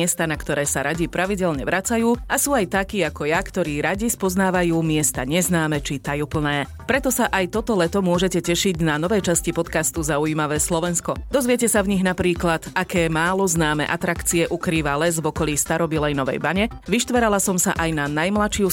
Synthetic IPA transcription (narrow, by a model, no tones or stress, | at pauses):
ɛst̪anakt̪ɔɾɛːsaɾaɟipɾaʋiɟɛlɲɛʋɾat͡sajuːasuːajt̪akiːakɔjakt̪ɔɾiːɾaɟispɔznaːʋajuːmɪɛst̪aɲɛznaːmɛt͡ʃit̪ajupl̩nɛː | pɾɛt̪ɔsaʔajt̪ɔt̪ɔlɛt̪ɔmʊɔʒɛcɛcɛʃiɟnanɔʋɛjt͡ʃascipɔt̪kast̪uzaujimaʋɛːslɔʋɛnskɔd̪ɔzʋɪɛcɛsavɲiɣnapɾiːklad̪akɛːmaːlɔznaːmɛ̰ʔat̪ɾakt͡siɛʔukɾiːʋalɛzvɔkɔliːst̪aɾɔbilɛjnɔʋɛ̰jbaɲɛ | ʋiʃt̪ʋɛɾalasɔmsa̰ʔajnanajmlat͡ʃɪu